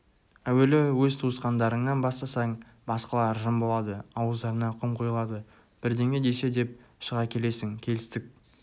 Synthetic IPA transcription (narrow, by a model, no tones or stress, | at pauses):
æwe̞lɪwɵzt̪ʰuəsqɑnd̪ɑɾəɴnɑnbɑst̪ɑsɑɴ | bɑsqɑlˠɑɾʒəmbo̞lˠɑd̪əɑwəzd̪ɑɾənɑqʰʊɴqʰojəlˠɑd̪ə | b̥ɪɾd̪e̞ŋe̞d̪e̞se̞d̪e̞p̚ʃəʁɑkʲʰe̞le̞sɪŋkʲʰe̞lɪst̪ɪk̚